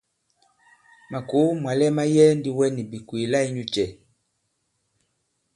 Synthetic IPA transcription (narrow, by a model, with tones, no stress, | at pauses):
ma˨ku˨˦mwa˨lɛ˦ma˦jɛ˦ndi˦wɛ˦ni˨bi˨kwi˨la˦i˦ɲu˦t͡ʃɛ˨